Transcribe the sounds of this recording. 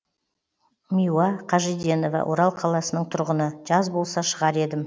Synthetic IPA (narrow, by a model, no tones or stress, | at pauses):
mʲijuɑqʰɑʒid̪e̞no̞va̰wʔo̞̰ɾɑlˠqʰɑlˠɑsənəɴt̪ʰʊɾʁənəʒɑzbo̞lˠsɑʃəʁɑɾe̞d̪ɪm